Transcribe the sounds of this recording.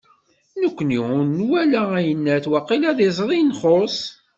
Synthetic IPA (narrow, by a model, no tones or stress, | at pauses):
nəkʷːəniʊnnwælææjənːæθwɑqːilæðizˤɾˤinχos